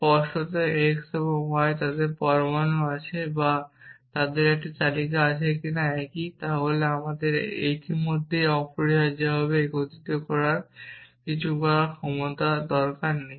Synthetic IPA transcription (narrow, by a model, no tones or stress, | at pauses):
pɔɾʃot̪eeksɔbomɔet̪ad̪eɾpɔɾomanːoat͡ɕʰebat̪ad̪eɾek̚ʈat͡ɕalikaat͡ɕʰekinaɛkit̪aɦoleamad̪eɾḛt̪imod̪ʱːeɔpoɾiɦad͡ʑaɦɔβeɡot̪it̪okɔɾaɾkit͡ɕʰukɔaakʰɔmot̪ad̪ɔɾkaɾːej